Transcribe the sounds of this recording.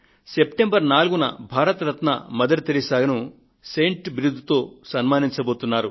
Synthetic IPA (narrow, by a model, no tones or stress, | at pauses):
sepʈembɐɾnaːluɡunɐ̰bʱaːɾɐt̪ɾɐt̪nɐ̰mɐd̪ɐɾit̪ilisaːɡɐnu | sejɳʈʋiɾud̪ʱut̪o̞ːsɐnmaːniɲt͡ʃɐbo̞ːt̪unːaːɾu